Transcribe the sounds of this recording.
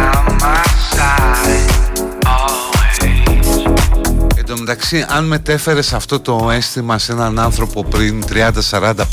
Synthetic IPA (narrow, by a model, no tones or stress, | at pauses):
mas | end̪omet̪ɐksiʔɐnme̞t̪e̞fe̞ɾe̞sɐft̪o̞t̪o̞e̞st̪imɐse̞nɐnɐnθɾo̞po̞pɾint̪ɾiɐnd̪ɐsɐɾɐnd̪ɐ